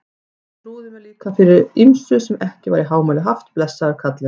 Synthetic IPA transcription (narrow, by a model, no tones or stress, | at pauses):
tɾuːðɪvɪɾliːkafɪɾɪɾimsʏsɛmɛhcɪvaɾiɦaːwmalʏɦaft̪plɛsːaaɾkʰat̪lɪ